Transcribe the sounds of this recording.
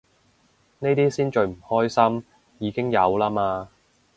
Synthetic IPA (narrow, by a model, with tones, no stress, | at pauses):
ne˥jt̪iː˥siː˥nt͡ʃɵ˧ɥm̩˨˩hɔː˥jsɐ˥m | jiː˨˧kɪ˥ŋjɐ˨˧wlaː˥maː˧